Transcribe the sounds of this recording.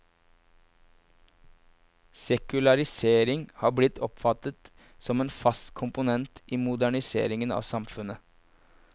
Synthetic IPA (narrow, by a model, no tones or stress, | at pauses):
sɛkʉlɑɾɪseːɾɪŋhɑːblɪt̪ʰːɔpfɑt̪ət̪ | sɔmeːnfɑst̪kʰʊmpʊnɛnt̪ʔiːmʊd̪æɳɪsḛːɾɪŋənɑ̰ːʋsɑmfʉnə